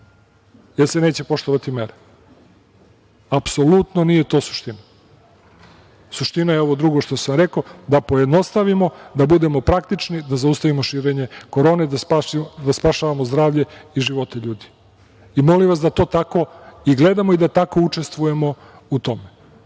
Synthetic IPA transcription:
jelsene̞ːt͡ɕepo̞ʃt̪oʋat̪imeɾe | apso̞lut̪no̞nijet̪o̞ːsu̥ʃt̪ina | suʃt̪inajeo̞ʋo̞d̪ɾuɡo̞ʃt̪osamɾeko̞d̪apo̞jed̪no̞st̪aʋimo̞d̪abud̪e̞mo̞pɾak̚t̪it͡ʂnid̪azaust̪aʋimoʃiːɾe̞ɲeko̞ɾo̞ːned̪ad̪aspaʃaːʋamozd̪ɾaːʋʎe̞iʒiʋo̞t̪eʎuːd̪i̥ | imo̞limʋasd̪at̪o̞ːt̪ako̞iɡle̞d̪amo̞id̪at̪ako̞ut͡ʂe̞st̪ʋuje̞mo̞ | ut̪o̞me

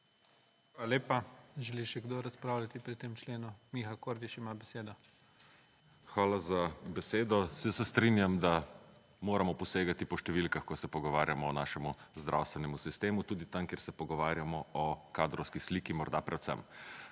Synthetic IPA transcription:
ʋalaleːpaʒɛliʃɛɡd̪oɾaspɾaːwlʲjat̪ipɾit̪emt͡ʃleːnumixakoːɾd̪iʃimabɛseːd̪ɔ | xʋaːlazabɛseːd̪ɔsɛsɛst̪ɾinjamd̪a | moːɾamɔpɔseːɡat̪ipɔʃt̪ɛʋilkaxkɔsɛpɔɡɔʋaːɾjamɔːnaːʃɛmuzd̪ɾʔa̰wst̪ʋɛnɛmusist̪eːmut̪uːd̪it̪amkeɾsɛpɔɡɔʋaːɾjamɔɔkaːd̪ɾɔwskisliːkimɔɾd̪apɾʔɛwsɛ̰m

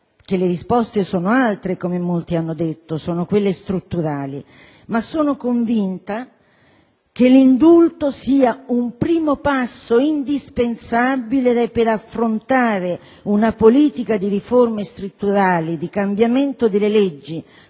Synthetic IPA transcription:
k̟elːeɾispɔst̪esɔːnoalt̪ɾekomemolt̪ianːod̪et̪ːosɔːnokwelːest̪ɾut̪ːuɾaːli | masːoːnokoɱvint̪a | k̟elːind̪ult̪osiːaumpɾiːmopasːoind̪ispensabileɛpeɾafːɾont̪aːɾe | unapoliːt̪ikad̪iɾiformest̪ɾut̪ːuɾaːlid̪ikambjament̪od̪elːeled͡ʒːi

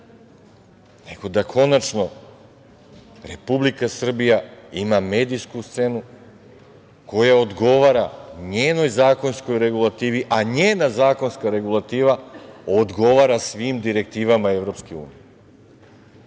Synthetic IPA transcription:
ne̞ɡ̥o̞d̪akʰo̞nat͡ʃno̞ | ɾe̞publikasr̩bijaimame̞ːd̪ijskust̪se̞nu | ko̞jaod̪ɡo̞ʋaːɾaɲeːno̞jzaːko̞nsko̞jɾe̞ɡulˠat̪iːʋiʔaɲeːnazaːko̞nskaɾe̞ɡulˠat̪iːʋaod̪ɡo̞ʋaɾasʋiːmd̪iɾe̞k̚t̪iːʋamae̞ʋɾo̞pskeṵːnije

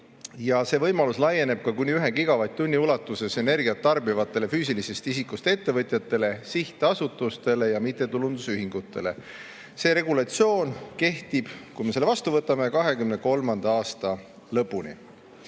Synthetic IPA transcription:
jɑse̞vɤjmɑluslɑje̞ne̞b̥̚kɑkunʲːiyɦekiɡɑvɑjt̪ːunʲːiulɑt̪ːˑuse̞se̞ne̞rɡiɑt̪ːɑrbivɑt̪ːˑe̞le̞fyːsilise̞st̪isikːˑust̪ee̞t̪ːe̞vɤt̪ʲˑjɑt̪ːˑe̞le̞siht̪ˑeɑsut̪ːˑust̪e̞le̞jɑmit̪ːˑe̞t̪ulund̪̥usyɦiŋɡ̥ut̪ːˑe̞̰le̞̰ | se̞ːɾe̞ɡulɑt̪sio̞ːnke̞ht̪ib̥kujmese̞lːevɑst̪uvɤt̪ːˑɑme̞kɑɦe̞kymne̞ko̞lmɑnd̪̥ɑɑːst̪ɑ | lɤpːunḭ

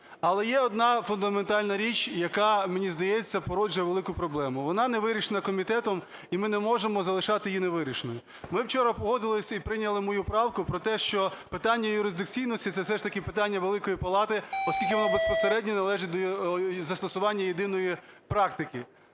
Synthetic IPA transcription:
ɐlˠɛjɛɔd̪nɑfʊnd̪ɐment̪ɑlʲnɐɾʲit͡ʃʲjɐkɑmenʲizd̪ɐjɛt͡sʲːɐpɔɾɔd͡ʒʊjɛʋelˠɪkʊpɾɔblˠɛmʊʋɔnɑneʋɪɾʲiʃenɐkɔmʲit̪ɛt̪ɔm | imɪnɛmɔʒemɔzɐlˠɪʃɑt̪ɪjineʋɪɾʲiʃenɔjʊ | mɪwt͡ʃɔɾɐpɔɦɔd̪ɪlˠɪsʲɐipɾɪnʲɐlˠɪmɔjupɾɑwkʊpɾɔt̪ɛʃt͡ʃɔpɪt̪ɑnʲːɐjʊɾɪzd̪ɪk̚t͡sʲijnɔsʲtʲit̪sɛsɛʃt̪ɐkɪpɪt̪ɑnʲːɐʋelˠɪkɔjipɐlˠɑt̪ɪɔskʲilʲkɪʋɔnɔbespɔseɾɛdʲnʲɔnɐlˠɛʒɪt̚ʲd̪ɔzɐst̪ɔsʊʋɑnʲːɐjed̪ɪnɔjipɾɑkt̪ɪkɪ

